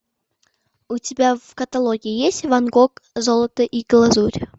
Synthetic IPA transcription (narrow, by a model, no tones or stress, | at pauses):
utʲɪbʲavkɐt̪alˠoɡʲɪjijesʲtʲvanɡokzolˠət̪əʔiɡlˠazuɾʲ